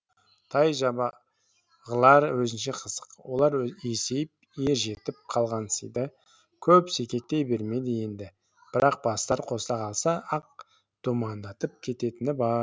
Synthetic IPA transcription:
t̪ʰɑjʒɑbɑ | ʁəlˠɑɾwɵzɪnʃe̞qʰəzəqwo̞̰lˠɑɾese̞jɪp̚ | je̞ɾʒe̞t̪ɪp̚qʰɑlˠʁɑnəsijd̪ə | kʲʰɵpse̞kʲe̞k̚t̪e̞jbe̞ɾme̞d̪ɪje̞nd̪ɪ | b̥ɪɾɑq̚b̥ɑst̪ɑɾqʰo̞st̪ɑqʰɑlˠsɑʔɑq̚ | d̪̥umɑnd̪ɑt̪əp̚kʲʰe̞t̪e̞t̪ɪnɪbɑɾ

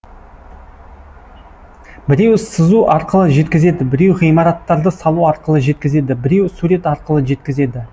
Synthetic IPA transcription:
bɪɾe̞wsəzuʔɑɾqəlˠəʒe̞t̪kʲɪze̞d̪ɪbɪɾe̞wʁijmɑɾɑt̪ːɑɾd̪əsɑlˠuɑɾqəlˠəʒe̞t̪̚kʲɪze̞d̪ɪbɪɾe̞wsuɾe̞t̪ɑɾqəlˠəʒe̞t̪kʲɪze̞d̪ɪ

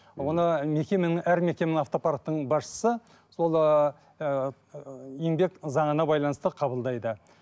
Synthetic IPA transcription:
wo̞nəme̞kʲe̞menɪŋæɾme̞kʲe̞menaɑft̪o̞paɾk̚t̪ːəɴbɑsʃə̥sə | so̞lˠ | eŋbe̞kzɑɴənɑbɑjlˠɑnəst̪əqʰɑbəlˠd̪ɑjd̪ə

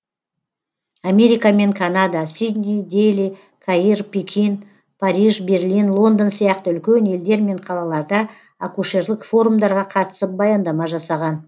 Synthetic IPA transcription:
ame̞ɾijkame̞ŋkʰanad̪asid̪nʲid̪eli | kʰairpʲekʲʰin | pʰaɾiʒbe̞rlinlˠo̞nd̪ənsijɑq̚t̪əʏlkʲene̞ld̪e̞ɾme̞ɴqʰɑlˠɑlˠɑɾd̪ə | a̰kuʃe̞ɾlʲˠɪkfo̞ɾumd̪ɑɾʁɑqʰɑt̪ə̥səp̚bɑjɑnd̪ɑmɑʒɑsɑʁɑn

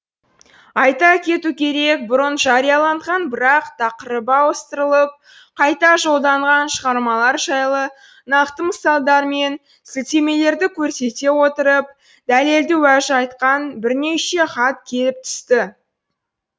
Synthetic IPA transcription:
ɑjt̪ɑkʲʰe̞t̪ukʲʰe̞ɾe̞k̚bʊɾənʒɑɾijɑlˠɑɴʁɑnbɪɾɑqt̪ʰɑqəɾəbɑwəst̪əɾəlˠəp̚ | qʰɑjt̪ɑʒo̞lˠd̪ɑɴʁɑnʃəʁɑɾmɑlˠɑɾʒɑjlˠə | nɑqt̪əməsɑlˠd̪ɑɾme̞n | sɪlt̪e̞me̞le̞ɾd̪ɪkʲʰɵɾse̞t̪e̞wo̞t̪əɾəp̚ | d̪æle̞ld̪ɪwæʒəɑjt̪qɑnbɪɾne̞ʃe̞χɑt̪̚kʲʰe̞lɪp̚t̪ʰʏ̥st̪ɪ

